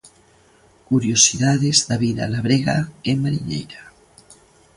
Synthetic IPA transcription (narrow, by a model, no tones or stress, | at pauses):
kuɾjosiðaðezðaβiða̰laβɾeɣaemaɾiɲḛjɾa